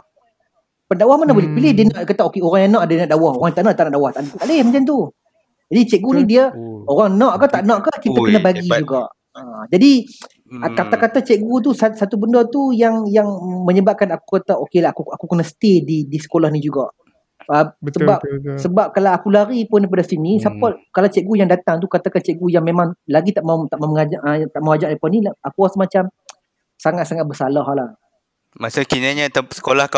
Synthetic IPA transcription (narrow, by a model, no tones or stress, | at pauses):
pəndawahmanahbolɛhpilɪhdiənaʔdkat̪aʔokeoɾaŋjanãʔadanaʔdawahoɾaŋt̪aʔnãʔt̪aʔnaʔdawaht̪aʔt̪aʔlɪhmət͡ʃant̪̬u | d͡ʒadit͡ʃɛʔ̚ɡunidiəoɾaŋnãʔkət̪aʔnãʔkəkit̪akənabaɡid͡ʒuɡaʔ | əd͡ʒadi | kat̪akat̪at͡ʃɛʔ̚ɡut̪̬usasat̪ubəndət̪ujaŋjaŋməɲəbaʔ̚kanakukat̪aʔokelakuakukənəsə̥t̪edidisə̥kolahnid͡ʒuɡaʔ | əsəbapsəbap̚kalawakulaɾipʊndipadasinisapakalawt͡ʃɛʔɡujaŋdat̪aŋt̪̬ukat̪akant͡ʃɛʔɡujaŋmemãŋlaɡit̪aʔmaut̪aʔmaməŋad͡ʒaət̪aʔmawad͡ʒaʔdipanilaakuasəmat͡ʃam | saŋat̪saŋat̪̚bəsalaɦlah | masakinaɲat̪asə̥kolahka